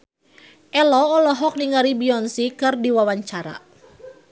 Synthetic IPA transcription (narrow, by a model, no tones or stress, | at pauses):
ʔɛlɔːlɔɦɔk̚niŋaɾibiɔnsikɨrdiwawaɲt͡ʃaɾa̰